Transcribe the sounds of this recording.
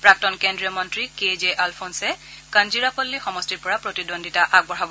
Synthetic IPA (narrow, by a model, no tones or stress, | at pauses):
pɹak̚tɔnkendɹijɔmɔntɹiked͡ʒeʔalpʰonsɛkand͡ʒiɹakolːixɔmɔstiɹpɔɹapɹotidondʱitaʔaɡ̚bɔɹabɔ